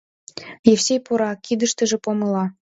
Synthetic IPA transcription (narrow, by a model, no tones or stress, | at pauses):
jefsʲejpuɾɑkid̪əʃt̪ə̆ʒĕpomɤ̆lɑ